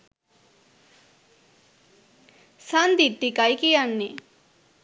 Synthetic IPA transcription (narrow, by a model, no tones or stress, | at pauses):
sand̪iʈ̪ːikajkijanːe